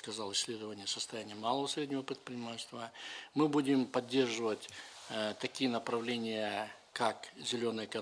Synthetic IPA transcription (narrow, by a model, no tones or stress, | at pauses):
kɐzɑlˠɨsʲːlʲe̞d̪əvənʲɪjəsəst̪ɐjænʲɪjəmalˠəvəsɾʲedʲnʲɪvəpɾʲɪt̪pɾʲɪnʲɪmatʲɪst̪vəmɨbudʲɪmpɐdʲːe̞rʐɨvətʲt̪ɐkʲijənəpɾɐvlʲenʲɪjə | kakzʲɪlʲonəjəkɐ